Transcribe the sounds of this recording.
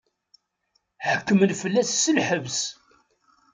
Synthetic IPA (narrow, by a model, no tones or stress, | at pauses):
ħəkːəmənfəlːæsːəlħəvs